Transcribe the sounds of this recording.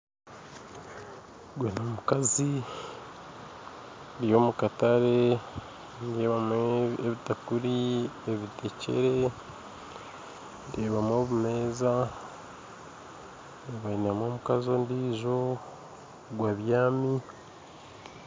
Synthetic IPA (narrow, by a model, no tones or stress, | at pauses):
ɡwenomukazi | ndijo̞mukataɾe̞ | ndieβameeβitakuɾieβite̞ce̞̰ɾe̞ | ndeːβamoβume̞ːza | ndeːβainamo̞mukazo̞ndiːʒo̞ | ɡwaβjaːmi